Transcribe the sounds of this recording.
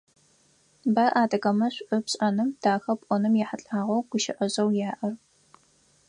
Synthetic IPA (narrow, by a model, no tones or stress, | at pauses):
baːʔaːdɐɣɐmɐɕʷʔʊpɕʼɐnɨmd̥aːxɐpʷʼɔnɨmjɛħaɬʼaːʁʷɐwɡ̥ʷʊʃɪʔɐʑɐwjaːʔɐr